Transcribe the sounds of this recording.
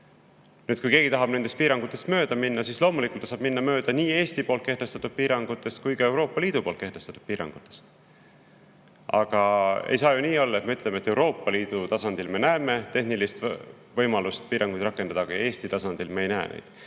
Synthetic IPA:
nyːd̪̥kujke̞ːɡ̥it̪ɑɦɑb̥ne̞nd̪e̞st̪̚piːɾɑŋɡ̥ut̪ːˑe̞st̪mø̞ːd̪̥ɑminːɑsiːslo̞ːmulikˑult̪ːˑsɑːb̥minːɑmø̞ːd̪̥ɑniːe̞ːst̪ipo̞ːlt̪̚ke̞ht̪e̞st̪ɑt̪ːud̪̥̚piːɾɑŋɡ̥ut̪ːˑe̞st̪̚kujkɑe̞wɾo̞ːpːɑliːd̪upo̞ːlt̪̚ke̞ht̪e̞st̪ɑt̪ːud̪̥̚piːɾɑ̰ŋɡ̥ut̪ːˑe̞̥st̪ | ɑ̰ɡ̥ɑḛjs̬ɑːjuniːo̞lːɑet̪meyt̪le̞me̞t̪ːˑe̞wɾo̞ːpˑːɑliːd̪̥ut̪ɑsɑnd̪̥ilme̞næeːme̞t̪e̞hnilist̪ | vɤjmɑlust̪̚piːɾʔɑŋɡujd̪̥ɾɑkːˑe̞nd̪̥ɑd̪̥ɑɡ̥ɑje̞ːsʲt̪it̪ɑsɑnd̪ilmeejnæḛnḛjd̪̥

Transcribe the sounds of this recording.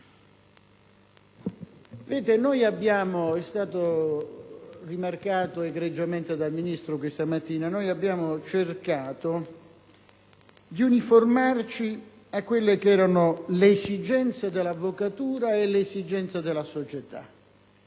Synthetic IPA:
vɛːt̪enojabːjaːmoɛst̪aːt̪o | rimarkaːt̪oeɡɾed͡ʒːament̪ed̪alminist̪ɾokwest̪amat̪ːiːnanojabːjaːmot͡ʃerkaːt̪o | d̪iuniformart͡ʃi | akːwelːekɛːɾanoleːsid͡ʒɛnt̪sad̪elːavːokat̪uːɾaelesid͡ʒɛnt̪sad̪elːasot͡ʃet̪a̰

